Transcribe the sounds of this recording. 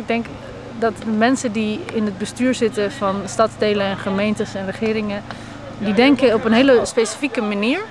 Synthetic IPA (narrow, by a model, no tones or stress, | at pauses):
ɪɡ̚dɛŋk | dɑtdəmɛnsədiɪnəd̚bəstyːɹzɪtəvɑnstɑtzdejləɛnχəmejntəsɛnrəχɪːɾɪŋə | didɛŋkəɔpənɦeːləspejsi̥fikəmaniːɹ